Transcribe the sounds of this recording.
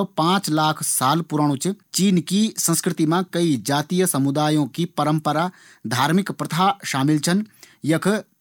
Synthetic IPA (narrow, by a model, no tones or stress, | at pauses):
pãːt͡ʃlaːkʰsaːlpʊɾaːɽ̃ut͡ʃt͡ʃiːnkisɐ̃skɾɪt̪imãkɐid͡ʒaːt̪ijəsɐmud̪aːjõkipɐɾə̃mpəɾaː | d̪ʱaːɾmɪkpɾɐt̪ʰaːʃaːmɪlt͡ʃʰɐnjɐkʰ